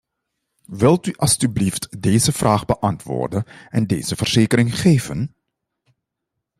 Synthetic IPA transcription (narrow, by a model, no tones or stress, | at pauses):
ʋɪlˠtyʔɑlˠstybliftdeːzəv̥raːχbəʔɑntʋʊ̰ːrdənɛndeːz̥əvərz̥eːkəɾɪŋχeːvən